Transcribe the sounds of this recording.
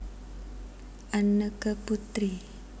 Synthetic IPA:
ʔanəkəput̪ɾi

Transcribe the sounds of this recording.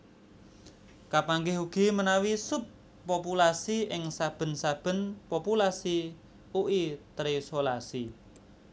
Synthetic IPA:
kapaŋɡɪɦuɡ̥i̤mənawisʊpː | opulasiɪŋsab̥ə̤nsab̥ə̤npopulasi | uʔit̪ɾisolasi

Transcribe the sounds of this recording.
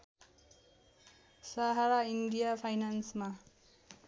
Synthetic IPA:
saɦaɾaindijapʰajnansma

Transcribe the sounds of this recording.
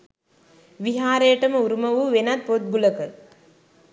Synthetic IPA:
ʋiɦaːɾejəʈəməuɾumɐʋuʋenat̪̚pot̪̚buləkə

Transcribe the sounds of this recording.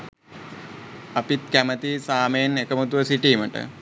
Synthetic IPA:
ɐpit̪kæmət̪isaːmenekəmət̪uʋəsiʈiːməʈə̰

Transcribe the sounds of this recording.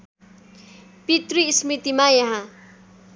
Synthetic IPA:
pit̪rismit̪imajaɦã

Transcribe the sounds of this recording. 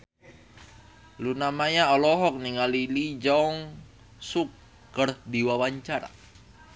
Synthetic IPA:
lunamaɲaɔlɔɦɔk̚niŋalilid͡ʒaŋ | suk̚ː | ərdiwawaɲt͡ʃaɾa̰

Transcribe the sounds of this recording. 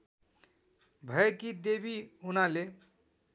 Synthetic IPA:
bʱəekid̪ebiunale

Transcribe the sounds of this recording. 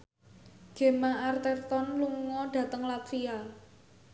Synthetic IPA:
ɡ̥e̤maʔart̪ɛrt̪ɔnluŋɔɖ̥ä̤t̪əŋlat̪fia

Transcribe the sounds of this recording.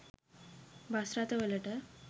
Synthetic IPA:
bʱasɾat̪əʋələʈə

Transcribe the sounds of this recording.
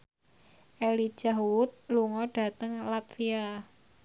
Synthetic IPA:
ʔeli̥d͡ʒ̥aɦwʊt̪̚luŋɔɖ̥a̤t̪əŋlat̪fia

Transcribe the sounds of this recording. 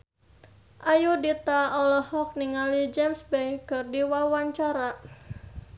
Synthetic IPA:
ʔajudit̪aɔlɔhɔk̚niŋalid͡ʒɛmsbɛjkɨrdiwawaɲt͡ʃaɾa

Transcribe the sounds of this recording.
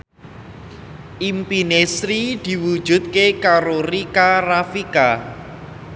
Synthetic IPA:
ʔimpinesɾid̪̥i̤wud̥ʒ̥ṳt̪̚kekaɾoɾikarafika

